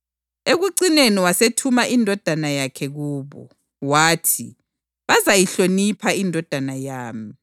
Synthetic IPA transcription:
eɣuǀineniwasetʰumaʔindʱɔd̥ʱanajakʰɛɣuːβɔ̰ | waːtʰi | βazajiɬonipʰaindʱɔd̥ʱanajaːmi

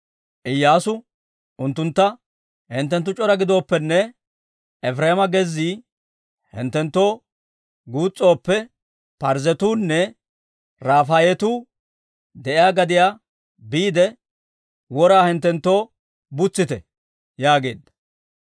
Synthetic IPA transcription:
ʔɪjːaːsʊ | ʔʊnt̪ːʊnt̪ːɐ | hɛnt̪ːɛnt̪̬ːʊt͡ʃʼɔɾɐɡɪd̪o̞ːpːɛnːɛ | ɛfɾeːmɐɡɛzːiː | hɪ̰nt̪ːɛnt̪ːo̞ː | ɡuːt͡sʼːo̞ːpːɛ | pɐɾzɛt̪uːnːɛ | ɾaːfajɛt̪uː | d̪ɛʔɪjaːɡɐd̪ɪjaː | biːd̪ɛ | wɔɾaːhɪnt̪ːɛnt̪ːo̞ː | bʊt͡sːɪt̪ɛ | jaːɡe̞̰ːd̪ːɐ̥

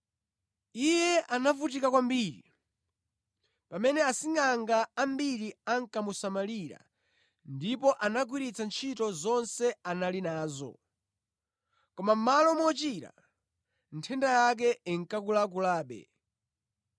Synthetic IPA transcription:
ijɛʔanafutikakwambiːɾḭ | pamɛnɛasiŋaŋɡaːmbiɾiaŋ̩kamusamaliɾa̰ | ndipɔʔanak̬wiɾit͡sant͡ʃʰitɔzɔnsɛanalinaːzɔ̰ | kɔmam̩malɔmɔt͡ʃiɾa̰ | n̩tʰɛndajak̬ɛiŋkakulak̬ulaːɓɛ̰

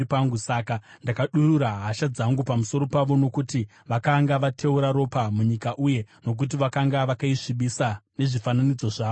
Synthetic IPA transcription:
ipaŋɡusakandakaɗuruɾaɦaʃad͡zaŋɡupamuso̞ɾo̞paʋo̞no̞kuti | ʋakaŋɡaʋatʰe̞uɾaɾo̞pamuɲikaʔuje̞no̞k̬ut̬iʋakaŋɡaʋakaiʂiɓisane̞ʐifananid͡zo̞ʐaːo

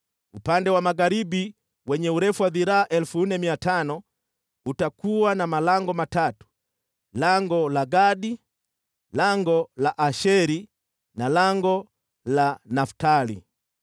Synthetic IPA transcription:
upandɛwamaɡaɾibi | wɛɲɛuɾɛfuwaðiɾaːʔɛlufun̩nɛmiatanɔ | utakuwanamalaŋɡɔmatatu̥ | laŋɡɔlaɡaɗi | laŋɡɔlaʔaʃɛɾi | nalaŋɡɔ | lanaftalḭ

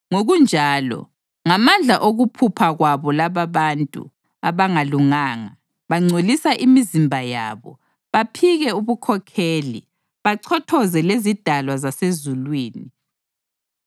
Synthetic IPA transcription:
ŋoɣund͡ʒʱaːlɔ̰ | ŋamand͡ɮʱaʔoɣupʰupʰaɣwaβɔlaβaβantʼṵ | aβaŋaluŋaːŋa | βaŋ͡ǀʱolisaʔimizimbʱaja̰ːβɔ̰ | βapʰiɣɛuβukʰɔkʰeːlḭ | βaǀʰɔtʰɔzɛlezid̥ʱalwazasezulwiːni

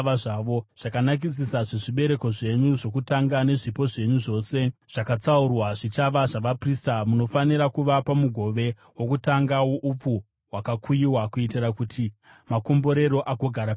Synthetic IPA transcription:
ʋaʐaʋo̞ʐ̥akanak̬is̬isaʐeʐiɓe̞ɾe̞ko̞ʐe̞ɲuʐo̞kutaŋɡane̞ʐipo̞ʐe̞ɲuʐo̞ːse̞ʐ̥akat͡saurwaʐit͡ʃaʋaʐaʋapristamuno̞faniɾakuʋapamuɡʱo̞ʋe̞ | wo̞kutaŋɡawoʔup͡fu | wakakʰujiwakuitirakutʰi | mako̞mbo̞ɾe̞ɾo̞ʔaɡʱo̞ɡʱaɾa

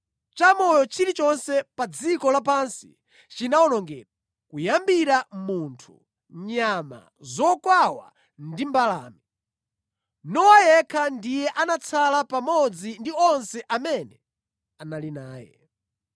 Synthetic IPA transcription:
t͡ʃamɔjɔt͡ʃʰiɾit͡ʃɔnsɛpad͡zikɔlapansḭ | t͡ʃinaɔnɔŋɡɛ̰ːta | kujambiɾamuntʰṵ | ɲama̰ | zɔkwawa̰ | ndimbala̰ːmi | nɔwajɛkʰandijɛʔanat͡sʰalapamɔd͡zindiɔnsɛʔamɛnɛ | analinaːjɛ̰

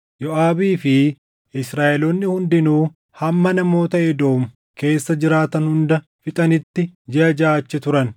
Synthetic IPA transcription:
jɔʔaːbiːfɪ | ɪsɾaːʔɛloːnːɪhʊnd̪ɪnuː | hɐmːɐnɐmo̞ːt̪ɐɛd̪o̞ːm | ke̞ːsːɐd͡ʒɪɾaːt̪ɐnhʊnd̪ɐ | fɪt̪ʼɐnɪt̪ːɪd͡ʒɛɐd͡ʒaːt͡ʃːɛt̪ʊɾɐn

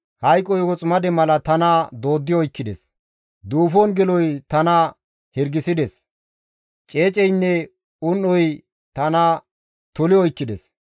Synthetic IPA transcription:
hɐjkʼːɔjɡɔt͡sʼmɐd̪ɛmɐlɐt̪ɐnɐd̪o̞ːd̪ːɪjɔjkːɪd̪ɛs | d̪uːfɔnɡɛlɔjt̪ɐnɐ | hɪɾɡɪsɪd̪ɛs | t͡ʃʼe̞ːt͡ʃʼɛjnːɛ | ʊnːɔj | t̪ɐnɐ | t̪ʊlɪɔjkːɪd̪ɛs

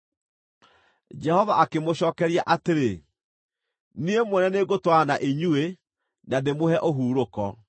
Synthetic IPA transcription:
d͡ʒɛhɔvaʔakemoɕɔːkɛɾiaʔateɾe | niemwɛnɛneɡotwanaʔeɲue | naðemoɦɛʔoɦuːɾokɔ

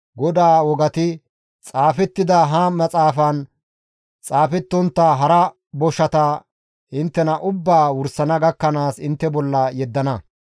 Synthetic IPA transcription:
ɡɔd̪aːwɔɡɐt̪ɪ | t͡sʼaːfɛt̪ːɪd̪ɐɦɐmɐt͡sʼaːfɐn | t͡sʼaːfɛt̪ːɔnt̪ːɐɦɐɾɐ | bɔʃɐt̪ɐ | hɪnt̪ːɛnɐʔʊbːaːwʊɾsɐnɐɡɐkːɐnaːsɪnt̪ːɛbɔlːɐjɛd̪ːɐnɐ

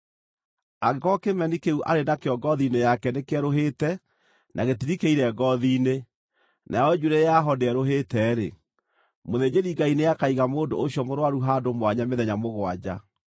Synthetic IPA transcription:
aɣekɔkemɛnikeuʔa̰ɾenakeɔɡɔðinejakɛnekeɛɾoɦeːtɛ | nʔaɣetiɾikeiɾɛɡɔðiːne | nʔajɔd͡ʒuɾejaɦɔdeɛɾoɦeːtɛːɾḛ | moðed͡ʑeɾiɡainejakaiɣamoːndo̰ːɕjɔmoɾwaɾuɦadomwaɲameðɛɲamoɣwad͡ʑa̰

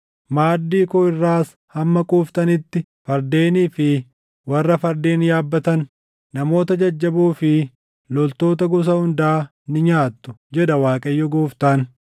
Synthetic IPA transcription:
maːd̪ːiːkʊɪrːaːs | hɐmːɐkʼuːft̪ɐnɪt̪ːɪ | fɐɾd̪e̞ːniːfɪ | wɐrːɐfɐɾd̪e̞ːnjaːbːɐt̪ɐnː | ɐmo̞ːt̪̬ɐd͡ʒɐd͡ʒːɐbuːfɪ | lɔlt̪o̞ːt̪ɐɡʊs̬ɐhʊnd̪ɐʔaː | nɪɲaːt̪ːʊd͡ʒɛᶑɐwaːkʼɐjːɔɡoːft̪ɐːn

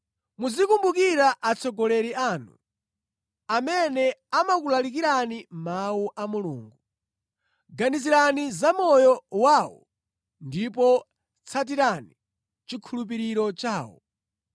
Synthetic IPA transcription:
mud͡zikumbukiɾaʔat͡sʰɔɡɔlɛɾiaːnṵ | amɛnɛamak̬ulalik̬iɾanimauʔamulṵːŋɡu | ɡaniziɾanizamɔjɔwaːwɔ̰ | ndipɔ | t͡sʰat̬iɾani | t͡ʃikʰulup̬iɾiɾɔt͡ʃaːwɔ̰

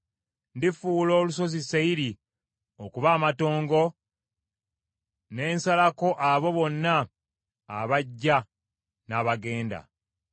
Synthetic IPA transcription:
ndifuːlo̞ːluso̞zisaiɾi | okuβaːmato̞ːŋɡo̞ | ne̞ːnsalako̞ʔaβo̞βo̞nːaː | βaɟːa | naːβaɡe̞ːnda̰

